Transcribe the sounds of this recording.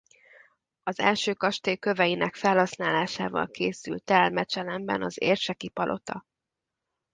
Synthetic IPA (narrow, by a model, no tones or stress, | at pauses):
ɒzɛ̰lʃøːkɒʃt̪eːkːøvɛjinʔɛkfɛlɦɒsnaːlaːʃaːvɒ̰lkeːsy̰lt̪ɛlmɛt͡ʃɛlɛmbɛ̰nɒzeːrʃɛkipɒlʔo̞̰t̪ɒ̰